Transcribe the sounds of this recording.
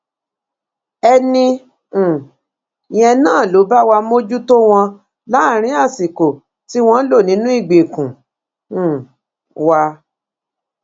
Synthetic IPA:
ɛ˧nĩ˧˨ | j̃ɛ̃˧nãː˦˨lo˨˦ba˦wa˧mo˦d͡ʒu˦to˦w̃ɔ̃˧ | la˨˦˨ɾ̃ĩ˨˦a˦˨si˨ko˨ | ti˦w̃ɔ̃˧˦lo˦˨nĩ˨˦nũ˦i˦˨ɡ͡be˨kũ˨ | wa˧

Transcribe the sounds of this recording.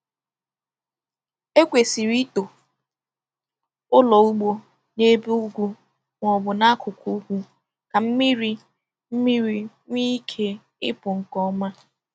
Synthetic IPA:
e˦kʷe˨si˨ɾi˦to˨ | ʊ˦lɔ˨u˦ɡ͡bo˦ | ne˦bu˦ɡʷu˦ | ŋʷɔ˨bʊ˨na˦a˦kʰʊ˨kʰʷu˦kʷu˦ | ka˨m̩˦mi˦ɾi˦ | m̩˦mi˦ɾi˨ | ŋʷi˦kʰe˦ | ɪ̰˦pʊ˨ŋ̩˨kɔ˦ma˦

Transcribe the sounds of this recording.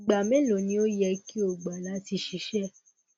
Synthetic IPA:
ɡ͡ba˨mɛ̃˦lo˨nĩ˧˦o˦jɛ˧˦ki˦o˨ɡ͡ba˨la˨˦ti˧ʃi˧˦ʃɛ˦

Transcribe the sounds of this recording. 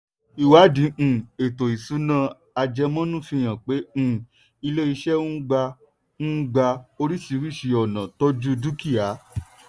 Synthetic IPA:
i˨wa˨˦dĩ˨˦˨e˨to˨i˨su˨˦nã˦˧ | a˧d͡ʒɛ˧mɔ̃˦nũ˦˨fĩ˧j̃ã˨k͡pẽ˨˦˨ | i˧le˦i˧ʃɛ˦ũ˦ɡ͡ba˧ | n̩˦ɡ͡ba˧o˧ɾi˦si˧ɾi˦˨ʃi˧ɔ˨nã˨tɔ˦d͡ʒu˦du˦ki˦˨a˨˦

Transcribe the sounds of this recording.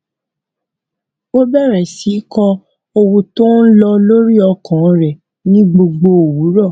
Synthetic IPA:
o˦bɛ˦˨ɾɛ˨si˨˦kɔ̃˧ | o˧wu˧to˦n̩˦lɔ˧lo˦ɾi˦ɔ˧kʰã˨˧ɾɛ˨ | nĩ˦ɡ͡bo˧ɡ͡bo˧o˨wu˨˦ɾɔ˦˨

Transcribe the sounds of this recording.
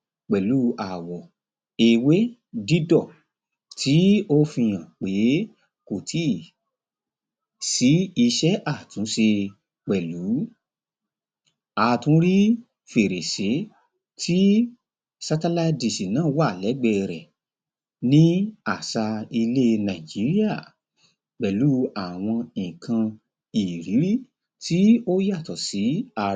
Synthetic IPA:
k͡pɛ˨lu˨˦a˨wɔ˨ | e˧we˦ | di˦dɔ˦˨ | tʰi˨˦o˦fĩ˧j̃ã˨k͡pe˨˦ | ko˨tʰi˦˨ | si˨˦i˧ʃɛ˦ʔa˦˨tũ˨˦ʃe˧ | k͡pɛ˨lu˨˦ | a˨tũ˨˦ɾi˦ | fe˨ɾe˨se˨˦ | tʰi˦ | sa˧ta˧la˧di˨si˨nãː˨˦˨wa˦˨lɛ˨˦ɡ͡bɛ˧ɾɛ˨ | nĩ˦a˨sa˧i˧le˦˧nã˨i˨d͡ʒi˨˦ɾi˦a˦˨ | k͡pɛ˨lu˨˦a˦˨w̃ɔ̃˧ĩ˨kã˧ | i˨ɾi˨˦ɾi˦˨ | ti˦o˦ja˦˨tɔ˨si˨˦a˧

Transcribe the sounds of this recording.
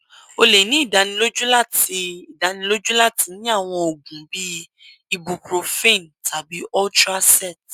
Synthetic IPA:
o˧le˨nĩ˨˦i˦˨da˨˦nĩ˧lo˦d͡ʒu˦la˦ti˧i˨da˨˦nĩ˧lo˦d͡ʒũ˦la˦ti˧nĩ˦a˦˨w̃ɔ̃˧o˨ɡũ˨bi˦ | i˦bu˨pɾo˨fe˦˨n˨tʰa˨bi˨˦ɔ˦ltɾa˦sɛ˦˨t

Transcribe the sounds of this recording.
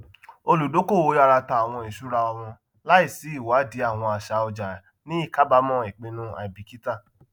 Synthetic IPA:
o˧lu˨do˨˦ko˦˨wo˨˦ja˧ɾa˧ta˧a˨w̃ɔ̃˧i˨ʃu˨˦ɾa˧ɔ˧w̃ɔ̃˧ | la˦i˦˨si˨˦i˦˨wa˨˦di˨˦a˦˨w̃ɔ̃˧a˨ʃa˨˦ɔ˧d͡ʒa˨ | nĩ˦i˦˨ka˦ba˦mɔ̃˦˨i˨k͡pe˧nũ˦a̰˨i˨bi˨ki˦ta˦˨

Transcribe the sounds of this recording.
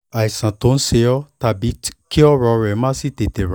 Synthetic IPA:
a˨i˨sã˨tõ˧˦n̩˦se˧jɔ˦ta˧bi˨˦tki˦ɔ˦ɾɔ˧ɾɛ˨˦mã˦si˦˨te˨te˨ɾa˨

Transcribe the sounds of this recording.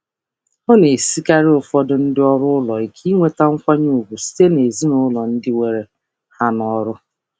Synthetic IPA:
ʊ˦ne˨si˦ka˦ɾɪ˦ʊ˨fɔ˦dʊ˦n̩˦dɪ˦ɔ˦ɾʊ˦ʊ˦lɔ˨i˨kʰi˦ŋʷe˦ta˦ŋ̩˦kʷa˦ɲu˦˨u˨ɡʷu˨si̥˦te˦ne˨zi˦nʊ˦lɔ˨n̩˦dɪ˦we˨ɾe˨ | ha˦nɔ˨ɾʊ˦

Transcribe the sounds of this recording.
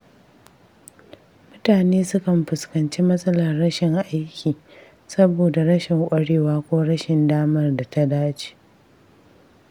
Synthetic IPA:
mʊ˦taː˨neː˦sʊ˦kɐ˨mɸʊ˨skɐ˨nt͡ʃiː˦mɐ˦sʼɐ˦lɐ˨rːɐ˦ʃɪ˨ŋʔa˦jkʲiː˨ | sɐ˦boː˨da˨ɾɐ˦ʃɪ˨ŋkʷʼɐ˦ɽeː˦waː˦kʷoː˦ɽɐ˦ʃɪ˨ndaː˦mɐ˦rda˨ta˦daː˦t͡ʃi̥ː˦

